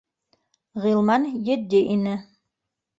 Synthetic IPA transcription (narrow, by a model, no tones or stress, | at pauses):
ʁilˠmɑnjɘ̆d̪ʲiʔinɘ